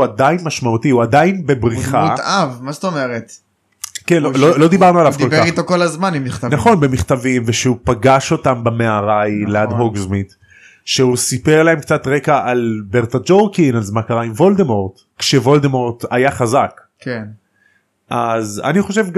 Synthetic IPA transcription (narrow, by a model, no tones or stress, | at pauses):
adajinmaʃmaut̪iuad̪ainbe̞bʁiχaut̪avmast̪omeʁet̪ | kenlololo̞d̪ibaʁnualavkdolbeaʁit̪okolazmanimːiχtanaχo̞nbe̞miχt̪avimveʃeupaɡaʃo̞t̪ambameaʁajlead̪ɦoɡzmit̪ | ʃeusipeʁlaemkt͡sat̪ʁekaʔalbe̞ʁt̪ad͡ʒoʁkinazmakaʁaimvo̞ld̪emo̞ʁt̪ | kʃevo̞ld̪emoʁt̪ajaχazak | ken | ʔaza̰niχo̞ʃe̞vɡ